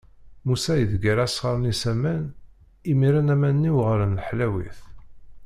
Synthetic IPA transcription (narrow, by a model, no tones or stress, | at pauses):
musæjəðɡæɾæsʁəɾˤnisæmæn | imiɾænæmænːiwʁəɾənlħlæwḭθ